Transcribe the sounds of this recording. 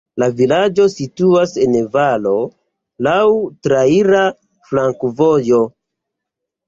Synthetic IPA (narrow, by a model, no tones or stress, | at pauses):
lavilad͡ʒo̞situase̞nvalo̞ | lawtɾaiɾa | flaŋkvo̞jo̞